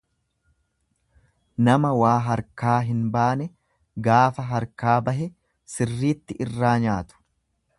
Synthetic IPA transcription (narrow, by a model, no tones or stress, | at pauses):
nɐmɐwaːɦɐɾkaːɦɪnbaːnɛ | ɡaːfɐɦɐɾkaːbɐɦɛ | sɪrːiːt̪ːɪʔɪrːaːɲaːt̪ʊ̥